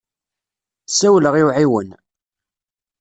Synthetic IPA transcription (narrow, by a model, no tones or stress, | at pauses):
sæwləʁiwʕiwən